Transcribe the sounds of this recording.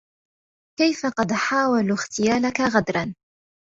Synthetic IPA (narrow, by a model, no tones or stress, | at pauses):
kajfaqɑd̪ħaːwaluxt̪ɪjaːlakaɣad̪ɾˤɑn